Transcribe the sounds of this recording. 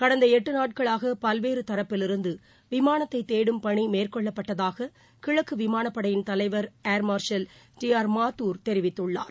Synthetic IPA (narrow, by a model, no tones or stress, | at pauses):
kɐɽɐnd̪ɐɛʈːɯnaːʈ̚kɐɭaːɣɐpɐlʋeːɾɯt̪ɐɾɐpːɪlɪɾɯnd̪ɯ | ʋɪmaːɳɐt̪ːɐɪt̪ːeːɽɯmpɐɳimeːrkɔɭːɐpːɐʈːɐðaːɣɐ | kɪɻɐkːɯʋɪmaːnɐpːɐɽɐjɪnt̪ɐlɐɪʋɐɾeːɾmaːɾʂɐl | d͡ʒɪjaːɾmaːt̪ːuːɾt̪ɛɾɪʋɪt̪ːɯɭːa̰ːɾ